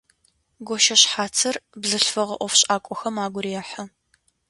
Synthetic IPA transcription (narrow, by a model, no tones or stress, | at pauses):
ɡʷɔʃɐɕħaːt͡sʰɐrbzɨɬfɐʁɐ̰ʔʷɔfɕʼaːkʷʼɔxɐmaːɡʷʊɾijɛħɐ